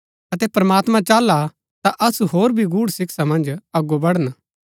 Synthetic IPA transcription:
ɐt̪ɛpɾɐmaːt̪mãt͡ʃaːlːa | t̪aʔɐsuɦoːɾbʱiɡuːɽsɪksamɐ̃nd͡ʒɐɡobɐɽən

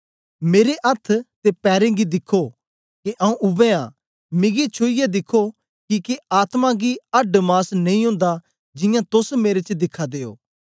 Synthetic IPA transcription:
meːɾeʔɐt̪ʰt̪epɛːɾẽɡid̪ɪkʰːo | kiʔɐũʔʊʋẽã̰ː | mɪ̃ɡit͡ʃʰoijed̪ɪkʰːo | kiːkeaːt̪mãɡiɐɖmaːsnɐ̃ĩɦʊ̃ːnd̪a | d͡ʒɪ̃jãt̪ʊsmeːɾet͡ʃd̪ɪkʰːad̪eːo̰ː

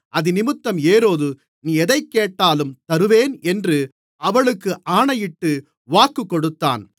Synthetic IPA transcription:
ʔɐðɯnɪmɯt̪ːɐmeːɾoːðɯ | niːɛðɐɪkːeːʈːaːlɯmt̪ɐɾɯʋeːnɛndrɯ | ʔɐʋɐɭɯkːɯʔaːɳɐjɪʈːɯ | ʋaːkːɯkːɔɽɯt̪ːa̰ːn

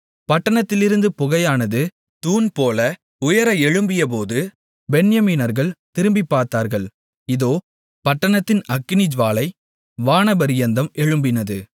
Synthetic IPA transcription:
pɐʈːɐɳɐt̪ːɪlɪɾɯnd̪ɯpʊɣɐjaːnɐðɯ | t̪uːnpoːlɐ | ʊjɐɾɐɛɻɯmbɪjɐp̬oːðɯ | bɛnjɐmiːnɐɾɣɐɭt̪ɪɾɯmbipːaːɾt̪aːɾɣɐɭ | ɪðoː | pɐʈːɐɳɐt̪ːɪnɐkːɪnɪd͡ʒʋaːlɐɪ | ʋaːnɐbɐɾɪjɐnd̪ɐmɛɻɯmbɪnɐðɯ

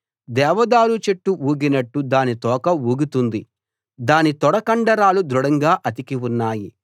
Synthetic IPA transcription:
d̪ɛːʋɐd̪aːɾut͡ʃeʈːuuːɡinɐʈːud̪aːnit̪ɔːkɐuːɡut̪und̪i | d̪aːnit̪ɔɽɐkɐɳɖɐɾaːlud̪ɾuɽɐŋɡaːʔɐt̪̬ikiwunːaːji

